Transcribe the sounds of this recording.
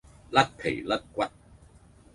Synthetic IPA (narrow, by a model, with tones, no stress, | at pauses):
la˦˥t̚kʰḛ˨˩jla˦˥t̚kwa˦˥t̚